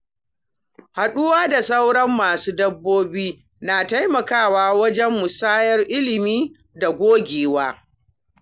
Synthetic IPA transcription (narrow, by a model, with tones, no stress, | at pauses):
ha˨ɗʊ˦waː˦da˨sa˦wɽɐ˦mːaː˨suː˦dɐ˦bːoː˦biː˦ | naː˨ta˦jmɐ˨kaː˦˨waː˦wɐ˦d͡ʒɛ˦mːʊ˨saː˦jɐ˦rʔɪ˦lɪ˨miː˦ | da˨ɡʷoː˦ɡʲeː˨waː˦